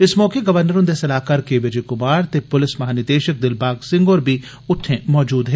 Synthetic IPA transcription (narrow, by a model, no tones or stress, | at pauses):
ɪsmɔːkeɡɐʋəɾnəɾõːnd̪esɐlaːkaːɾkeʋɪd͡ʒekʊmaːɾt̪epʊlɪsmɐɦaːnɪɾd̪eːʃək̚d̪ɪlbaːɡsɪ̃ŋɡɔːɾbʱi | ʊʈʰːẽmɔːd͡ʒuːd̪ɦɛː